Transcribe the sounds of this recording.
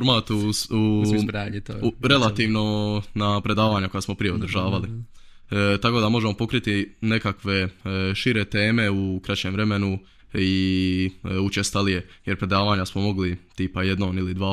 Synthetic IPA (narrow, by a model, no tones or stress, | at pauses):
oɾmaːt̪uuɾaɲt̪ːuɾe̞lat̪iːʋno̞napɾe̞d̪aːʋaːɲako̞jasmo̞pɾije̞od̪ɾ̩ʒaːʋali | t̪ako̞d̪amo̞ʒe̞mo̞po̞kɾit̪ine̞kakʋe̞ʃiɾet̪e̞ːme̞ukɾat͡ɕemʋɾe̞me̞nu | i | ut͡ʃest̪alije̞jeɾpɾe̞d̪aːʋaːɲasmo̞mo̞ɡlit̪iːpaje̞d̪noːnilid̪ʋaː